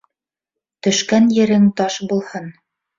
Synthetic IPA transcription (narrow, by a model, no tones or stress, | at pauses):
t̪ɵ̆ʃkænjɘ̆ɾɘŋt̪ɑʃbulˠhɤn